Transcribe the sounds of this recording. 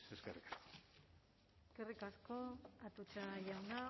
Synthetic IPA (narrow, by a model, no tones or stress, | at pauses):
seskerikḁsko̥ | eskerikasko̞at̪ut͡ʃaʝawna